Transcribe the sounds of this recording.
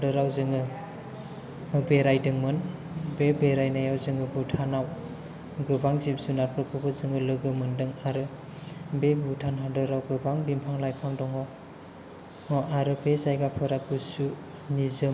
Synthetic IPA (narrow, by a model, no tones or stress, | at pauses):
adɯɾawzɯŋɯ | ɯbeɾajdɯŋmɯn | bebeɾajnajawzɯŋɯbutʰanaw | ɡɯbaŋzip̚sunaɾpʰɯkʰɯbɯzɯŋɯlɯɡɯmɯndɯŋaɾɯ | bebutʰanɦadɯɾawɡɯbaŋbimpʰaŋlajpʰaŋdɔŋɔ | ɔʔaɾɯbezajɡapʰɯɾaɡusu | nizɯm